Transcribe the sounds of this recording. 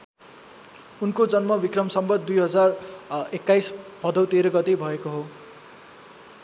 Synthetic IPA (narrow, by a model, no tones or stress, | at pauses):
unkod͡zʌnmʌbikrʌmsʌmbʌd̪̚d̪ujɦʌd͡zarekːajsb̥ʱʌd̪ʌwt̪eɾʌɡʌt̪ebʱʌekoɦo